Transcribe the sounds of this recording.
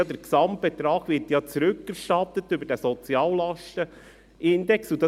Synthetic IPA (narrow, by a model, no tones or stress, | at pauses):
d̪əɾksɑmt̚b̥et̪ɾɑːɡʋɪɾtjɑt͡sɾʉkːæɾʃtɑt̪ːət̪ʏbəɾdæsɔt͡sjɑːllɑʃtə | ʔɪnd̪ɛksud̪ɑ